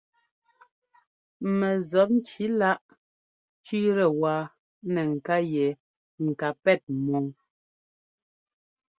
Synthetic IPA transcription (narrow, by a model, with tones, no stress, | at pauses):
mɛ˨zɔ˨˦p̚n˦t͡ʃi˨˦la˦ʔ | t͡ʃi˦ɾɛ˨wa˨ | nɛ˨ŋ̩˨ka˦jɛ˨ | ŋ̩˨ka˨pɛ˦˨t̚mɔ˨ŋ